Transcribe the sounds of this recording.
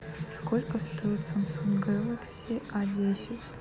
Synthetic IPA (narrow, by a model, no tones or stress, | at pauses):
skolʲkəst̪oɪt̪sɐmsunɡalˠɐksʲiadʲesʲɪtʲ